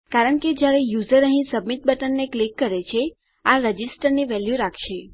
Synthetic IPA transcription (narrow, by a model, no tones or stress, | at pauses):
kaɾəɳked͡ʒjaɾejuzəɾəɦĩsəbmit̪̚bəʈənːeklikːəɾet͡ʃʰe | aɾəd͡ʒisʈəɾneʋɛljuɾakʰʃe